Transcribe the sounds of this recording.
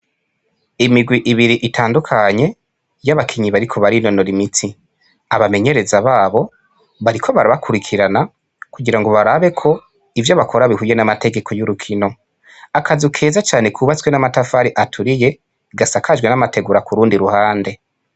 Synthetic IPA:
imiɡwiʔiβiɾiʔitʰaːndukʰaɲe̞ | jaβakʰiɲiβaɾikʰo̞βaɾino̞noɾimiti | aβame̞ɲe̞ɾe̞zaβaːβo̞ | βaɾikʰo̞βaɾaβakʰuɾikʰiɾana | kuɡiɾaŋɡo̞βaɾaβe̞kʰo̞ | ivjo̞βakʰo̞ɾaβihuje̞namate̞ɡe̞kʰo̞juɾukʰino̞ | akʰazukʰe̞ːzat͡ʃaːne̞kʰuβat͡swe̞namatafaɾiʔatʰuɾije̞ | ɡasakʰad͡ʒɡwe̞namate̞ɡuɾakuɾuːndiɾuhaːnde̞

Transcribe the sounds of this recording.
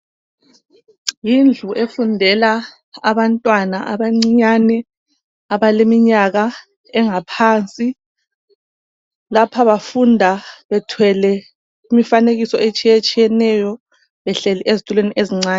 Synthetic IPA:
jind͡ɮʱuʔefundʱɛla | aβantʼwanaʔaβaŋ͡ǀiɲanɛ | aβalemiɲaɣa | ɛŋapʰaːnt͡sʼi | lapʰaβafundʱaβɛtʰwɛlɛ | imifaneɣisɔet͡ʃʼijet͡ʃʼijɛnɛjɔ | βɛɬɛliʔezitʼulweniʔeziŋ͡ǀaːni

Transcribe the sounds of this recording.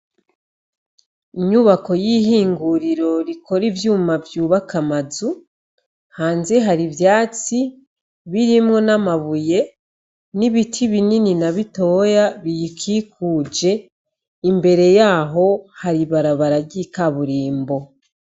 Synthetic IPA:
iɲuβako̞jiɦiːŋɡuɾiɾo̞ɾikʰo̞ɾivjuːmavjuːβakamazu | haːnzeɦaɾivjaːt͡si | βiɾimŋo̞namaβuje̞ | niβitʰiβinininaβito̞ːjaβijikʰikuːd͡ʒe̞ | imbe̞ɾe̞jaːɦo̞haɾiβaɾaβaɾaɟikaβuɾiːmbo̞

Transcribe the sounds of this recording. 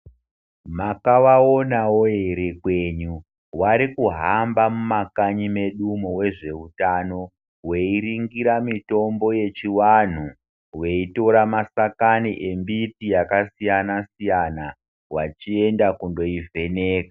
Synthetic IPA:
makaʋaonawo̞ɦe̞ɾe̞kwe̞ɲu | waɾikuɦambamumakaɲime̞ɗumowe̞ʐe̞utano̞ | we̞iɾiŋɡiɾamito̞mbo̞je̞t͡ʃiwan̤u | we̞ito̞ɾamasakaniʔe̞mbipijakasijanasijana | wat͡ʃie̞ndakundo̞ivʱe̞ne̞ːkḁ

